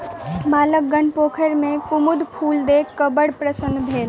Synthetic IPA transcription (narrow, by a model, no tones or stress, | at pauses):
maːlək̚ɡənpoːkʰəɾmẽkʊmʊd̪pʰuːld̪eːkːɐbəɽpɾəsənbʱeːl